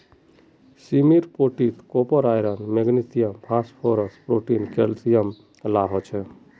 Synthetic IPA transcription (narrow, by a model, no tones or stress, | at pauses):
simiɾpoʈit̪kopɔɾajɾənmeɡnit̪ijəmpʰaspʰoɾəspɾoʈinkelt̪ijəm | laɦɔt͡ʃʰɛ